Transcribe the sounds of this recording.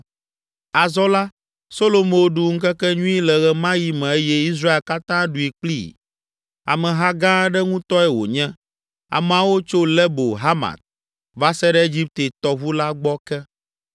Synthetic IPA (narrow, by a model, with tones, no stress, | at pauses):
a˨zɔ˦la˦ | so˦lo˨mõ˦wo˦ɖu˦ŋ̩˦kɛ˦kɛ˦ɲũ˦i˦lɛ˨ɣɛ˦mã˦ji˦mɛ̃˨e˦jɛ˦i˦s̬ɾa˦e˨lka˦t̪ã˦ɖu˨i˨k͡plḭ˦ | a̰˨mɛ̃˨ɦa˦ɡã˦ɖɛ˦ŋũ˦t̪ɔ˦ɛ˦wo̰˨ɲɛ̃˦ | a̰˨m˨ã˨wo˦t͡ʃo˦lɛ˦bo˨ɦa˦ma̰˨t̪̚ | va˦sɛ˦ɖɛ˦e˦d͡ʑi˦p̚t̪e˨t̪ɔ˨βu˦la˦ɡ͡bɔ˦kɛ˦